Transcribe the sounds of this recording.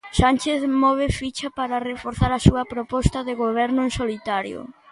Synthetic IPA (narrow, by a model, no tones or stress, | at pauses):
sant͡ʃeθmɔβ̞efit͡ʃapaɾɐrefoɾθaɾɐsuɐpɾopɔst̪ɐðeɣoβ̞ɛɾnʊeŋsolit̪aɾjʊ̰